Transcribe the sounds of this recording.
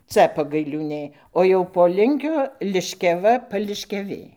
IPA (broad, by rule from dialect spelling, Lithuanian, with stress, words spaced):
ˈt͡sɐ pɐɡɐɪlʲuːˈnʲeː oː jɛʊ poː ˈlʲɪŋʲkʲoː lʲɪʃʲkʲɛˈʋɐ pɐlʲɪʃʲkʲɛˈʋʲeː